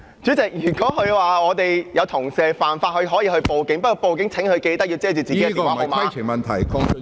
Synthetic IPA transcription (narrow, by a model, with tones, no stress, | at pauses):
t͡ʃyː˨˥t͡sɪ˨k̚jyː˨˩kɔː˨˥hɵ˨˧waː˨ɔː˨˧t̪e˨jjɐ˨˧wt̪ʰʊ˨˩ŋsɛː˨faː˨˩nfaː˧t̚hɵ˧ɥɦɔː˨˥jiː˧hɵ˧ɥpo˨wkɪ˧˥ŋpɐ˥kɔː˧po˨wkɪ˨˥ŋt͡sʰɪ˨˥ŋhɵ˧ɥke˧jt̪ɐ˥k̚ji˧t͡sɛː˥t͡ʃy˨t͡siː˨ke˥˦˨a˨o˨˧maa˧˥˨i˨˩mɐ˨nt̪ʰɐ˨˩jkʰɔ˧˥ŋ˧